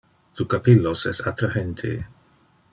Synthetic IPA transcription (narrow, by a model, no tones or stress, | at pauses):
t̪ukapilːosɛsat̪ɾahent̪ʰḛ